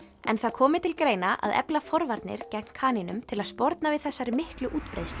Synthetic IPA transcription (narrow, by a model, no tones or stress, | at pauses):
ɛ̰nθaðkʰɔːmɪt̪ʰɪlkɾeːjnaʔa̰ðɛ̰plafɔɾvaɾt̪nɪ̰ɾ̥cɛmn̥kʰaːninʏmt̪ʰɪlaðspɔɾt̪navɪðθɛsːaɾɪmɪhklʏʔuːt̪pɾḛjst̪l